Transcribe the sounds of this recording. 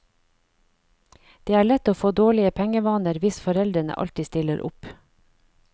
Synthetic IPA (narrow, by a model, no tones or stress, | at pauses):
d̪̥eːæːɭɛt̪oːfoːd̪oːɭɪəpʰɛŋəʋɑːnəɾʋɪsfɔɾɛld̪ɾənə̰ʔɑ̰lt̪ɪst̪ɪləɾʔʊ̰p